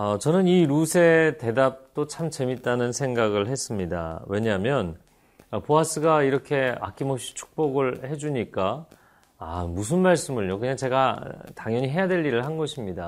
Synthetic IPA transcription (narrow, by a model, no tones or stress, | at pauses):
ʌt͡ɕʌnɯniɾusʰe̞te̞dap̚t͈ot͡ɕʰamt͡ɕe̞mit̚t͈anɯnsʰe̞ŋɡaɡɯɭɦe̞s͈ɯmɲida̰we̞ɲamjʌn | ʌpoas͈ɯɡaiɾʌkʰe̞a̰kʰimopɕ͈i̥t͡ɕʰu̥k̚p͈oɡɯɭhe̞d͡ʑuɲik͈a̰ː | mus̬ʰɯnmaɭs͈ɯmɯɭɲokɯɲaŋt͡ɕe̞ɡataŋjʌɲiɦe̞jadwe̞ʎːiɾɯɭhanɡʌɕʰimɲida